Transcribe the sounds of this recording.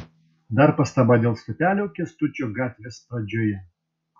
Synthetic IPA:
d̪ɐɾpɐst̪ɐbɑd̪ʲeːlˠst̪ʊpʲæːlʲokʲɛst̪ʊt͡ʃʲoːɡɑːt̪ʲʋʲespɾɐd͡ʒʲoːjɛ

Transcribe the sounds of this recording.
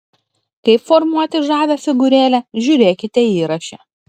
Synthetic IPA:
kɐɪpfɔɾmuɔt̪ʲɪʒɑːʋʲɛfʲɪɡʊɾʲeːlʲɛʒʲʊɾʲeːkʲɪt̪ʲɛiːɾɐʃʲɛː

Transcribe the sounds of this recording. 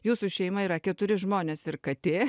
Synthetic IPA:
juːsʊʃʲɛɪmɐiːɾɐkʲɛt̪ʊɾʲɪʒmoːnʲeːsɪrkɐt̪ʲeː

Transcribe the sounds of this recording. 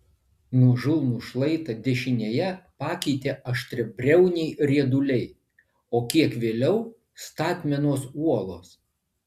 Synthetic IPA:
nuʒɪlˠnuːʃlˠɐɪt̪ɐd̪ʲɛʃʲɪnʲeːjɛpɑːkʲɛɪt̪ʲeːʔɐʃʲt̪ʲɾʲɪbʲɾʲɛʊnʲɛɪɾʲiɛd̪ʊlʲɛɪ | oːkʲiɛkʋʲeːlʲɛʊ | st̪ɑːt̪ʲmʲɛnoːsuɔlˠoːs

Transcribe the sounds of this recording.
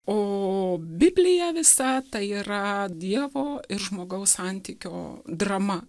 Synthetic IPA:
oːbʲɪbʲlʲɪjɛʋʲɪsɐt̪ɐɪiːɾɐd̪ʲiɛʋoːɪɾʒmoːɡɐʊssɐnʲt̪ʲiːkʲo̰ːd̪rɐmɐ

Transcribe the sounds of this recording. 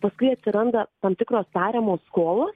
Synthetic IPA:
pɐskʊɪɐt̪ʲsʲɪɾɐnd̪ɐt̪ɐmt̪ʲɪkɾoːstɑːɾʲemoːsskoːlˠoːs

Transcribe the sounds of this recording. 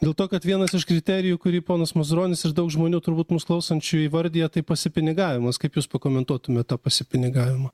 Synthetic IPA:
d̪ʲeːlˠt̪oːkɐt̪ʋʲiɛnɐsɪʃkɾʲɪt̪ʲɛːɾʲɪjukʊɾʲiːpoːnɐsmɐzʊɾoːnʲɪsɪɾd̪ɐʊkʒmoːnʲuːt̪ʊɾbuːt̪mʊsklˠɐʊsɐnʲt͡ʃʲʊjiːʋɐɾʲd̪ʲiːjɛt̪ɐɪpɐsʲɪpʲɪnʲɪɡɑːʋʲɪmɐskɐɪpjuːspɐkoːmʲɛnt̪uɔt̪ʊmʲɛt̪t̪ːɑːpɐsʲɪpʲɪnʲɪɡɑːʋʲɪmɐː

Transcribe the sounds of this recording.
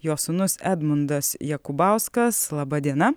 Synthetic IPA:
joːsʊnʊsæːd̪mʊnd̪ɐsjɛkʊbɑˑʊskɐslˠɑbɐd̪ʲiɛnɐ

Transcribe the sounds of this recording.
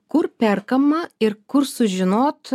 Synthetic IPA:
kʊɾpʲɛɾkɐmɐɪɾkʊɾsʊʒʲɪnoːt̪

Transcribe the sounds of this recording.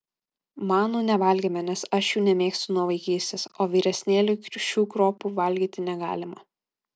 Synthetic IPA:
mɑːnuːnʲɛʋɐˑlʲɡʲeːmʲɛnʲɛsɐʃjuːnʲɛmʲeːksʲt̪ʲʊnuɔʋɐɪkʲiːsʲt̪ʲeːsoːʋʲiːɾʲɛsʲnʲeːlʲʊʃʲuːkɾoːpuʋɐˑlʲɡʲiːt̪ʲɪnʲɛɡɑːlʲɪmɐ

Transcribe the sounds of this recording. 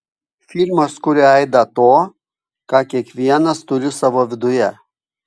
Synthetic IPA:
fʲɪlʲmɐskʊɾʲɪɛɪd̪ɐt̪oː | kɑːkʲiɛkʋʲiɛnɐst̪ʊɾʲɪsɑʋoːʋʲɪd̪ʊjɛ

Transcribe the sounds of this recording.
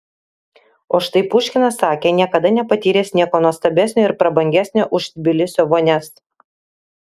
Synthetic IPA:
oːʃt̪ɐɪpʊːʃʲkʲɪnɐsːɑːkʲeːnʲiɛkɐd̪ɐnʲɛpɐt̪ʲiːɾʲeːsnʲiɛkoːnuɔst̪ɐbʲæsʲnʲoːɪɾpɾɐbɐŋʲɡʲæsʲnʲoːʔʊʃʲbʲɪlʲɪsʲoːʋoːnʲɛs

